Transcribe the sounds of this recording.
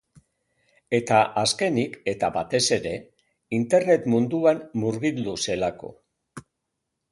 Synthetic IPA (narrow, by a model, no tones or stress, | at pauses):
e̞t̪aʔaske̞nike̞t̪aβat̪e̞se̞ɾe̞ | int̪e̞ɾne̞t̪mund̪uanːuɾɣild̪use̞lako̞̰